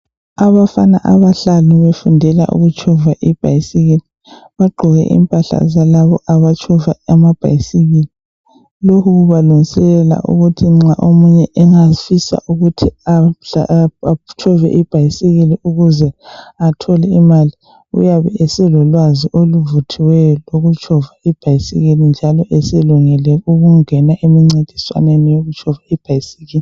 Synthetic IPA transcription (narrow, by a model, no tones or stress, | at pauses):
aβafana̰ʔaβaɬalɔβefundʱɛla̰ʔṵɣut͡ʃʰʼɔvaʔib̥ʱajisiɣili | βaɡ͡ǃʱɔɣɛ̰ʔḭmpʼaɬa̰zalaβɔʔaβat͡ʃʰʼɔvaamab̥ʱa̰jisiɣili | lokʰuɣuβaluŋisɛlɛla̰ʔṵɣutʰiŋ͡ǁaʔomuɲɛʔɛŋafisa̰ʔuɣutʰiaa | t͡ʃʰɔvɛ̰ʔib̥ʱajisiɣiliʔuɣuzɛatʰɔlɛimali | ṵjaβɛ̰esɛlɔlwaziʔoluvutʰiwɛjɔloɣut͡ʃʰʼɔvaib̥ʱajisḭɣilind͡ʒʱalɔʔɛsɛluŋɛlɛuɣuŋɛnaʔemiŋ͡ǀed̥ʱi̥swa̰nenijoɣut͡ʃʰʼɔvaib̥ʱajisiɣiːli